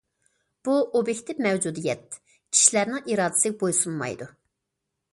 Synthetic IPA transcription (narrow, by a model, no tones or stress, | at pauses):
b̥uobjɛkʲt̪ʰɪpmɛwd͡ʒud̪ijɛt̪̚ | kʲʰi̥ʃilæɾnɪʔiɾɑːd̪ɪ̥sɪk̚bojsunmɑ̰jd̪u